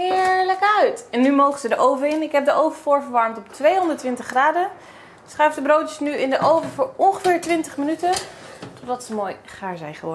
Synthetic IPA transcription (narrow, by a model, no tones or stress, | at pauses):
ɦɪɹləkœɥtɛnːymowχənzədəʔowvəɪnɪkɦɛp̚dəʔowvəfʊːɹvəɹʋɑɹmtɔp̚tʋejɦɔndəɹtʋɪntəχraːdə | sχœɥfdəbrowtəsnyɪndəʔowvəvʊːɹɔnχəfɪːɹtʋɪntəχmənytətɔdɑtsəmoːjχaːɹzɛjχəʋɔɹ